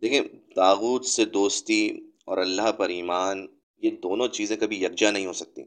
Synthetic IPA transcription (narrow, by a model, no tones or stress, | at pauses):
d̪eːkʰẽt̪aːɣuːt̪sed̪oːst̪i | ɔːɾɐlːaɦpɐɾiːmaːn | jed̪oːnõt͡ʃiːzẽkɐbʱijɐɾ̚d͡ʒanɐɦĩɦoːsɐk̚t̪ḭ